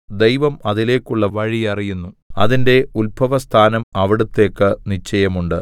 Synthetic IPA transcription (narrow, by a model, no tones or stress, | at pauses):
d̪ejʋɐmɐðile̞ːkːuɭːɐʋɐɻiɐrijunːuɐ̰ðinde̞ulbʱɐʋɐst̪ʰaːnɐmɐʋiɽut̪ːe̞ːkːɨnit͡ɕːɐjɐmuɳɖɨ